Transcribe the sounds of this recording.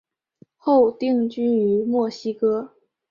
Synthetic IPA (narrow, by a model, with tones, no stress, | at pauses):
xo˥˩˧ʊt̪i˥˧ŋt͡ɕy˥y˧˥mwɔ˥˩ɕi˥kɤ˥